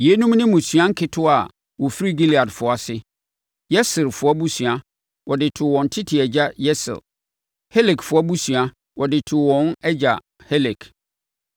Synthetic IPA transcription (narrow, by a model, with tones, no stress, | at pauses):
je˦nũ˦m˦nɪ̃˦mʊ̃˨sɥã˦ŋ̩˦kʰɪ˦tʰʊ˦a˨ | wɔ˨fi˦ɾi˦ɡi˦li˨a˨dfʊ˨a˨sɪ˦ | jɛ˦sɪ˨lfʊ˨˦a˦bu˦sɥã˦ | wɔ˨dɪ˨tʰʊ˨wɔ̃˨n˨tʰɪ˦tʰɪ˨ɛ˨d͡ʑa˦jɛ˦sɪ̰˨l | he˦le˨kfʊ˨˦a˦bu˦sɥa˦ | wʔɔ˨dɪ˨tʰʊ˨wɔ̃˨n˦ɛ˦d͡ʑa˨ | hɛ˦lɛ˨kʰ